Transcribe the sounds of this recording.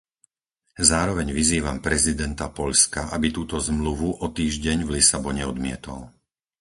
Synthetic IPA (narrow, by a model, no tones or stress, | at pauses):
zaːɾɔʋɛɲʋiziːʋampɾɛzid̪ɛnt̪apɔʎskaʔabit̪uːt̪ɔzmluʋuʔɔt̪iːʒɟɛɲvlisabɔɲɛɔd̪mɪɛt̪ɔ̰l